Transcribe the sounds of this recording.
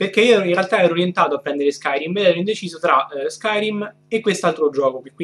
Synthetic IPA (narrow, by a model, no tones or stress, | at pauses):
perk̟eiːoɛɾoinrealt̪aɛːɾoːɾjent̪aːt̪oapːɾɛnd̪eɾeskajɾimed̪ɛːɾoind̪et͡ʃiːzot̪ɾaskajɾim | ekːwest̪alt̪ɾod͡ʒɔːkopekːw